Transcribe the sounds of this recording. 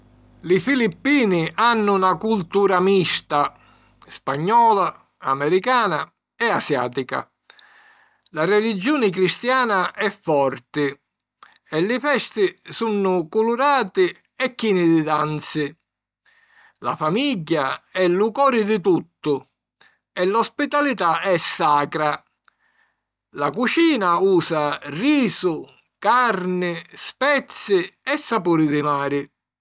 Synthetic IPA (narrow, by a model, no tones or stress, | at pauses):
lifilipːiːnɪʔanːʊnakult̪uːɾamist̪a | spaɲːɔːla | amɛɾikaːna | ɛasja̰ːt̪ika̰ | larɛlid͡ʒːuːnɪk̬ɾist̪jaːnaʔɛfːɔrt̪ɪ | ɛlːɪfɛst̪ɪsunːʊkuluɾaːt̪ɪ | ɛkːinɪd̪ɪd̪ant̪sɪ | la̰famiɟːaɛlukɔːɾɪd̪ɪt̪ut̪ːʊ | ɛlɔspit̪alit̪aɛsːaːkɾa | lakut͡ʃiːnauːsariːsʊ | karnɪspɛt̪sːɪɛsːapuːɾɪd̪ɪmaːɾɪ